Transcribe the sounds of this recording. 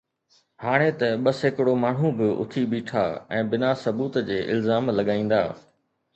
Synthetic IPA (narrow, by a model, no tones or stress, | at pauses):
haːɽ̃et̪ɐɓɐsɦɪkɪɽomaːɳ̤ũbɪʊ̰t̪ʰiɓiːʈʰa̰ɛ̃ːbɪnasɐbuːt̪d͡ʑeːʔɪ̰lzaːmlɐɠaːĩːn̆d̪a̰ː